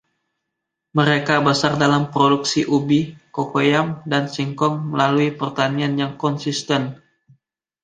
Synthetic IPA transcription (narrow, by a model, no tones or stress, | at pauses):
məɾekabəsardalampɾoduksiʔubikokojamdansiŋkɔŋməlaluipərt̪anianjaŋkɔnsist̪ɛn